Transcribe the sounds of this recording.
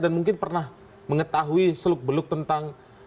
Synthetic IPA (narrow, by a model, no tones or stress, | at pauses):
danmuŋkɪnpərnah | məŋət̪aɦuisəlʊk̚bəlʊk̚t̪ənt̪aŋ